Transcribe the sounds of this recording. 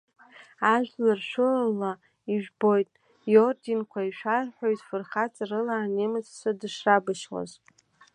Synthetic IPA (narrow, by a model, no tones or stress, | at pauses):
aʒᶣlarʃʷʊla | iʒᶣbo̞jtʼ | jordinkʷʰaiʃʷᶣarħʷᶣojzfɨrχat͡sʼarɨlaːnemɨt͡sʰʼsadɨʂrabɨʃwa̰z